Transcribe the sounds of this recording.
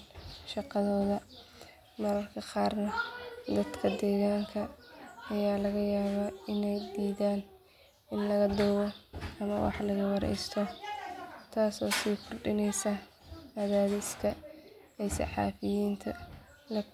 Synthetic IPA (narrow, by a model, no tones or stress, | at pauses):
ʃɑqɑðɔːðɐ | mɐɾɐrkʰɐqɑːrnɐd̪ɐd̪kʰɐd̪ɛːɣaːŋkʰɐɐjaːlɐɣɐjaːβaːɪnɛjd̪iːðaːn | ɪnlɐɣɐd̪ɔwɔɐmɐwɑ̰ħlɐɣɐwɑɾɛ̰jst̪ʰɔ | t̪ʰaːsɔːsiːkʰʊrɖɪnɛjsɐ | aðaːðɪskʰɐ | ɛjsɑ̰ħɑ̰ːfɪjiːnt̪ʰɐ | lɐ